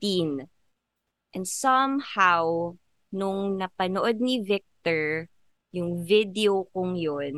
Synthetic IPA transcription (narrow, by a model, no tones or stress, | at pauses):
t̪in | ʔɛ̃nd̪sɐmhaw | nʊŋnɐpɐnoʔod̪̚nivɪk̚t̪ɔɹ | jʊŋvɪd̪ɛokʊŋjon